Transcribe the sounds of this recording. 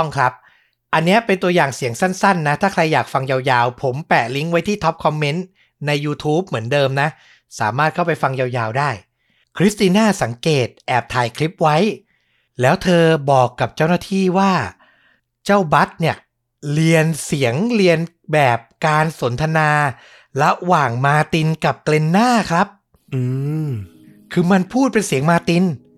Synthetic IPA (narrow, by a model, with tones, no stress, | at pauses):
ŋkʰɾa˦˥p̚ | ʔa˧nːi˦˥ɐpe˧nt̪u˧ɐjaː˨˩ŋsi˨˩˦əŋsa˥˩nsa˥˩nːa˦˥t̪ʰaː˥˩ɾa˧jːaː˨˩k̚fa˧ŋjaː˧wjaː˧wpʰo˩˦mpɛː˨˩li˦˥ŋwa˦˥jt̪ʰiː˥˩t̪ʰɔ˦˥p̚kʰɔ˧mːe˦˥n | na˧jːuː˧t̪ʰuː˦˥p̚mɯ˩˦əndɤː˧mna˦˥ | sa̰ː˩˦maː˥˩t̪̚kʰa˥˩wpa˧jfa˧ŋjaː˧wjaː˧wdaː˥˩j | kʰɾi˦˥st̪iː˧naː˥˩sa˩˦ŋkeː˨˩t̪̚ʔɛː˨˩p̚t̪ʰaː˨˩jkʰli˦˥p̚wa˦˥j | lɛː˦˥wt̪ʰɤː˧bɔː˨˩kːa˨˩p̚t͡ɕa˥˩wnaː˥˩t̪ʰiː˥˩waː˥˩ | t͡ɕa˥˩wba˦˥t̪̚ni˥˩ɐ | li˧ənsi˩˦əŋli˧ən | bɛː˨˩p̚kaː˧nso˩˦nt̪ʰa˧naː˧ | ɾa˦˥waː˨˩ŋmaː˧t̪i˧nka˨˩p̚kle˧nːaː˥˩kʰɾa˦˥p̚ | ʔɯː˧ | kʰɯː˧ma˧npʰuː˥˩t̪̚pe˧nsi˨˩˦əŋmaː˧t̪i˧n